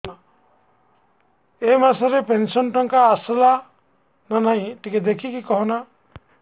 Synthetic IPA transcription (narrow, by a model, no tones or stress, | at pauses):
a | emasaɾepensɔnʈɔŋkaːsla | nanaj̃ʈiked̪ekʰikikɔɦɔna